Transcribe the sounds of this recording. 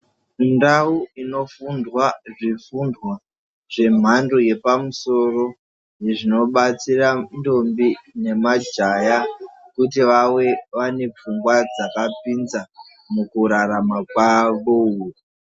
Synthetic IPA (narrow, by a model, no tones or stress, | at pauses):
ndauino̞fundwaʐifundwa | ʐ̥e̞m̤ʱandoje̞pamuso̞ro̞ | jeʐino̞ɓat͡sirando̞mbine̞mad͡ʒaja | kutiʋawe̞ʋane̞p͡fuŋɡwad͡zakapinza | mukuɾaɾamakwaʋou